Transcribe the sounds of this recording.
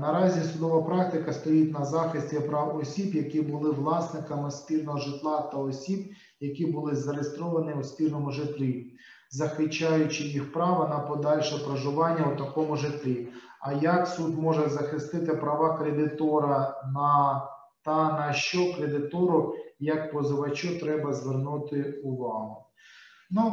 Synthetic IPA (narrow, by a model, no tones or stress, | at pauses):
nɐɾɑzʲisʊd̪ɔʋɐpɾɑk̚t̪ɪkɐst̪ɔjitʲnɐzɑxɪsʲtʲipɾɑwɔsʲibjɐkibʊlˠɪʋlˠɑsnɪkɐmɪspʲirnɔɦɔʒɪt̪lˠɑt̪ɐɔsʲib | jɐkʲibʊlˠɪzɐɾejest̪ɾɔʋɐnɪwspʲirnɔmʊʒɪt̪ʲlʲi | zɐxɪt͡ʃːɑjʊt͡ʃɪjixpɾɑʋɐnɐpɔd̪ɑlʲʃɛpɾɐʒʊʋɑnʲːɐwt̪ɐkɔmʊʒɪt̪ʲlʲi | ɐjɐksud̪mɔʒɛzɐxɪst̪ɪt̪ɪpɾɐʋɑkɾed̪ɪt̪ɔɾɐnɐ | t̪ɐnɐʃt͡ʃɔkɾed̪ɪt̪ɔɾʊjɐk̚pɔzɔʋɐt͡ʃɔt̪ɾɛbɐzʋernut̪ɪʊʋɑɦʊ | nu